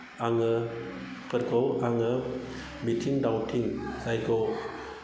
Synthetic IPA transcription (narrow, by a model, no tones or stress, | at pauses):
aŋɯ | pʰɯɾɡowaŋɯ | mitʰiŋdawtʰiŋzajɡow